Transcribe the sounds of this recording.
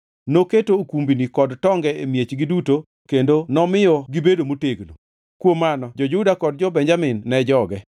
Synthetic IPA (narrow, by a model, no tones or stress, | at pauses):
noketokumbinikɔdtɔŋɡɛemjet͡ʃɡiduto | kendonɔmɪɔɡibedomoteɡno̰ | kwomːanɔd͡ʒɔd͡ʒʊdakɔd̚d͡ʒɔbɛɲd͡ʒamɪnːɛd͡ʒɔɡɛ